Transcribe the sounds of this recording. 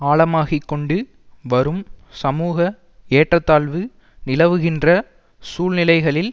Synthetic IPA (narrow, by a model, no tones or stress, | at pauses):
aːɭɐmaːɣikːɔɳɖɯ | ʋɐɾɯmsɐmuːɣɐ | eːʈrɐt̪ːaːɭʋɯ | nɪlɐʋɯɣɪndrɐ | suːlnɪlɐɪɣɐɭɪl